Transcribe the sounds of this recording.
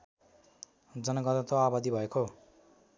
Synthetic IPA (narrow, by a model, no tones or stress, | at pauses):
d͡zʌnʌɡʌt̪ʌt̪oabad̪ibʱʌekʰo